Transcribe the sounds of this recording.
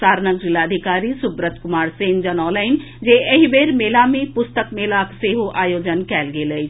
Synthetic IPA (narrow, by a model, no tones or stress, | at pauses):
saːɾnək̚d͡ʑilaəd̪ʱikaːɾisubɾət̪ʰkʊmaːɾseːnd͡ʒənɔːlaɪn | d͡ʒeəɦibeɾmeːlamẽpʊst̪əkmeːlakseɦoʔʔaːjoːd͡ʒənkɛːlɡeːləjt͡ʃʰ